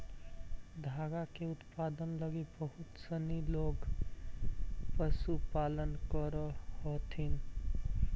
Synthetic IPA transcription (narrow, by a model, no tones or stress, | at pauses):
d̪ʱaɡakeʊt̪pad̪ənləɡibəɦʊt̪səniloɡ | pəsupalənkəɾəhɔt̪ʰin